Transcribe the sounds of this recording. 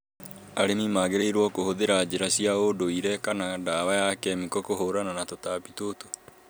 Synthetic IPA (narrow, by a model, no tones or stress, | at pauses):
aɾemimaːɣeɾeiɾwɔkohoðeɾad͡ʑeɾasiaodoiɾɛkanadaβajakɛmikɔkohoɾananatotapitoto̥